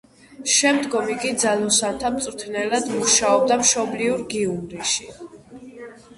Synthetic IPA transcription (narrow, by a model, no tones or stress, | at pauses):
ʃɛmd̪ɡɔmikʼid̪zalɔsant̪ʰamt̪sʼɾt̪ʰnɛlad̪muʃaɔb̚d̪amʃɔbliuɾɡiumɾiʃi